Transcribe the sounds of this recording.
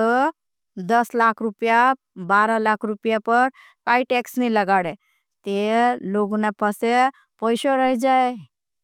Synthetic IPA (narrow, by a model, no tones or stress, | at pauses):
ə | d̪əslakʰɾupja | baɾalakʰɾupjapəɾ | kaiʈɛksniləɡaɽe | t̪eloɡnapəse | pɔjɕɔɾəɦid͡ʒae